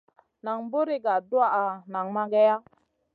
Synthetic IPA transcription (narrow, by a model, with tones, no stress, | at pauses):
na˨ŋbo˦ɾi˦ɡa˨du˦a˨a˨na˨ŋma˦ɡɛ˦ja˦